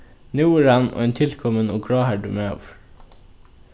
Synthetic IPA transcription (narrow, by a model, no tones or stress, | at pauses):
nʉːəɾænʔo̰ːeːnt̪ʰɪlkʰɔmənoːɡɽɑːhæɖʉ̰ːmeːɑ̰ːʋ